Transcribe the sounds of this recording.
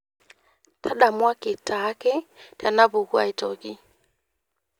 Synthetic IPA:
tʰa˦ɗa˨mwa˦ki˨ta˨˦kɛ˦ta˨na˦βu˨ɣu˦a̰˦i˦tɔ˨ki˦

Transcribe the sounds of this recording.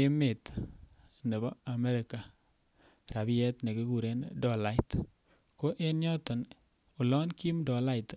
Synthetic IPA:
e˦me˨t̪ | ne˨bɔ˦a˨me˦ɾɪ˨ka˨ | ɾa˨bi˦jɛ˦t̪ne˨ki˦ku˨ɾe˦ndɔ˨la˨˦ɪ˦t | ko˦ʔe˦njɔ˦tɔ˨n | u˨lɔ˦nki˦mdɔ˨la˦ɪ˨t

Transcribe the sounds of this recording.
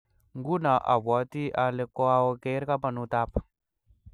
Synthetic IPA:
ŋɡu˦na˨ʔa̰˨βa˨˦t̪i˦ʔa˨le˨kɔ˦a˦o˦ke˦ɾka˦pa˨nu˦t̪a˦pḁ˨

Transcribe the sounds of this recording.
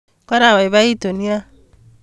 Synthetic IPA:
kɔ˦ɾa˨wa˨i˨βa˦i˦to˨ni˦a˦

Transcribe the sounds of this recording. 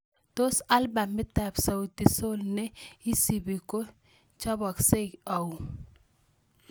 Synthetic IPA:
to˦sa˦lba˨mːɪ˦ta˨bsa˨u˨ti˨so˦lnɛ˦i˦si˨bi˨ko˦ | t͡ʃa˦bɔ˨kse˦ka˨u˨

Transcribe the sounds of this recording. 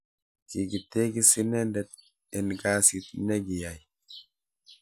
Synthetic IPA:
ki˨ɡi˨te˦ɡi˦si˦nɛndɛt̪̚ | ɛnɡasit̪nɛ˦ɡi˨ja˨j

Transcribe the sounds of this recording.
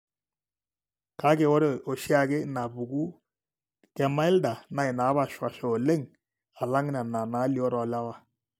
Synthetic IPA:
ka˦ke˨wo˦ɾe˦˨o˨ʃi˦a˦ɡɪ˦na˨bu˨ɡu˦ | kɛ˨ma˦ɪ˦lda˨na˨ɪ˨na˨˦βa˦˨ʃwa˨ʃɔ˨le˦ŋ | a˨la˦ŋ˦nɛ˨na˨na˨˦li˨˦o˦ɾɔ˨la˦wa˨

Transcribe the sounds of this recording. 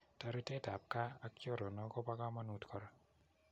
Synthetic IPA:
ta˦ɾi˦te˦da˨p̚ka˦a˦kjo˦˨ɾo˨nɔ˦ɡɔ˦ba˦ɡa˦ma˦nu˦tkʰɔ˦ɾɔ˦

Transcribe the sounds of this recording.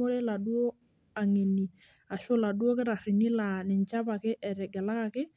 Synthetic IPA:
o˦ɾe˦la˨du˦o˦ | a˨ŋe˨ni˨ | a˨ʃʊ˦la˨du˦o˦k̬ɪ˦ɾa˨rɪ˨ni˦la˨nɪ˨ɲt͡ʃa˦pa˨kɪ˦ʔɛ˨ɾɛ˨ɡɛ˨la˦ka˨kɪ˦

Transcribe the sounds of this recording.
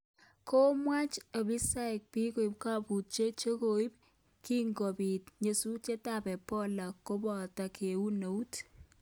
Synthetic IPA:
kʰo˦mwa˦t͡ʃɐ˨bi˦sa˦ɪ˨k̚pi˦ko˨i˨p̚ka˦pu˨t̚t͡ʃe˦t͡ʃe˦ko˨i˦p̚ | ki˦ŋɡɔ˨bi˨tɲe˨su˦t͡ʃe˦ta˨pɛ˨pɔ˦la˨ko˦bɔ˨ta˨kʰe˨u˦no˨u˦t

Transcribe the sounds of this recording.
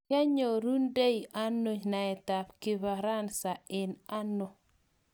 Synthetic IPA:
ja˦ɲo˨ɾu˦nde˦i˨ʔa˦nːo˦ɲna˨ɛ˨ta˨pki˦βa˨ɾa˦nsa˨ɪ˨na˦nːo˨

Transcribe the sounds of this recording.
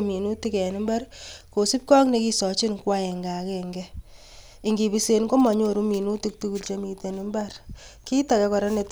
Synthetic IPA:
mi˨nu˦ti˦kɛ˨ni˦mba˦rko˨si˦p̚kɔ˦kne˦ki˦sɔ˨t͡ʃi˦nkwa˦ɛ˨ŋɡa˨kɛŋɡɛ | i˨ŋɡi˨bi˦se˦nko˦ma˨ɲo˦˨ɾu˦mi˨nu˦tik̚tu˦ku˨lt͡ʃe˦mi˨te˨ni˦mba˦rki˦ta˨kɛ˦kɔ˨ɾɔ˦ne˨t

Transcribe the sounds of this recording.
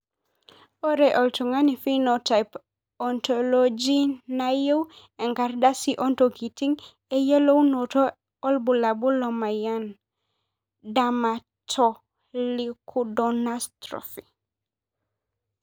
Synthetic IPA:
o˦ɾeʔɔ˨ltu˨ŋa˦nifi˦nota˨jp | ɔntolod͡ʒi˦naje˦w | ɛ˨ŋka˨rda˦siʔɔ˦ntoki˨ti˦ŋ | e˦je˦lo˦wnoto˦ | ɔ˦lbu˨la˨bu˦lɔ˨ma˨ja˦n | dama | tʰɔ | likʰudɔnastɾɔ̰fi˨

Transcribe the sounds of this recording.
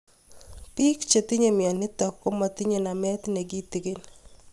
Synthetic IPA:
pi˦kt͡ʃe˨ti˦ɲe˨mja˨nɪ˦tɔ˨kːo˦ma˨ti˦ɲe˨na˨mɛ˦t̪ne˨ɡi˦ti˨ke˦n

